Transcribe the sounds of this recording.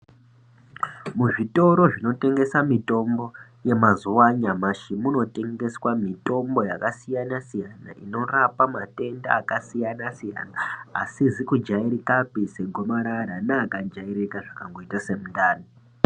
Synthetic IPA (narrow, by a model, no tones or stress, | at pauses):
muʐito̞ɾo̞ʐino̞te̞ŋɡe̞samito̞mbo̞ | je̞mazuwaɲamaʃimuno̞te̞ŋɡe̞swamito̞mbo̞jakasijanasijana̰ʔino̞rapamate̞nda̰ːkasijanasija̰naːsizikud͡ʒaiɾikapise̞ɡʱomaɾaɾanaːkad͡ʒaiɾekaʐakaŋɡo̞itase̞mundaːno